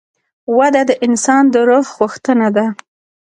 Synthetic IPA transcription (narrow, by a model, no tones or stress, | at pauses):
wad̪ad̪əʔɪnsɑnd̪əɾoɣɣuxt̪ənad̪a